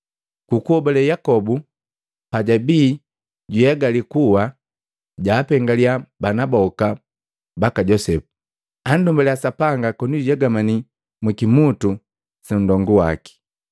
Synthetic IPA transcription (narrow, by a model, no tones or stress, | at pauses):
kukuhɔbɔlɛjakɔbu | paɟabiː | ɟujaɡalikuwa | ɟaːpɛŋɡaliabanabɔka | bakaɟɔsɛpu̥ | andumbalɛasapaŋɡakɔnijaɡamani | mwikimutu | sɛn̩dɔŋɡuwa̰ki̥